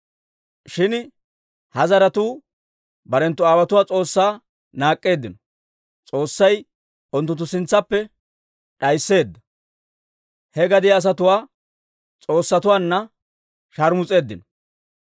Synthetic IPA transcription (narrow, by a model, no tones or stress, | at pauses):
ʃɪn | hɐzɐɾɐt̪uː | bɐɾɛnt̪ːʊaːwɐt̪ʊwaːt͡sʼo̞ːsːaː | naːkʼːe̞ːd̪ːɪnɔ | t͡sʼo̞ːsːɐj | ɔnt̪ːʊnt̪̬ːʊsɪnt͡sːɐpːɛ | ɗɐjsːe̞ːd̪ːɐ | hɛɡɐd̪ɪjːs̬ɐt̪ʊwaː | t͡sʼo̞ːsːɐt̪ʊwaːnːɐ | ʃɐɾmʊt͡sʼe̞ːd̪ːɪnɔ